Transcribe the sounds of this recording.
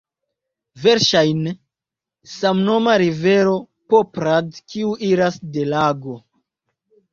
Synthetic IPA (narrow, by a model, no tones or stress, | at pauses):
ve̞ɾʃajn | samno̞maɾive̞ɾo̞ | popɾadkiuʔiɾasde̞laɡo̞